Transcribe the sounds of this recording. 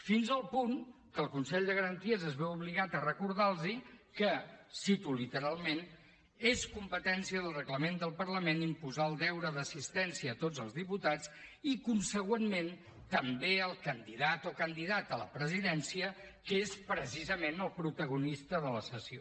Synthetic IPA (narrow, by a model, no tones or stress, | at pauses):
finzəlˠpuŋ | kəlˠkunsɛʎd̪əɣəɾənt̪iəzəzβɛuβliɣat̪ərəkuɾð̞alˠzikəsit̪ulit̪əɾalˠmen | eskumpət̪ɛnsiəðəlˠrəɣləmend̪əlˠpərləmenimpuzaəlˠd̪ɛwɾəðəsist̪ɛnsiəːt̪od͡zəlˠzðiput̪at͡sikunsəɣwenmen | t̪əmbeəlˠkənd̪iðat̪okənd̪iðat̪ələ̰pɾəziðɛnsiəkespɾəsizəmenəlˠpɾut̪əɣ̞unist̪əðələsəsio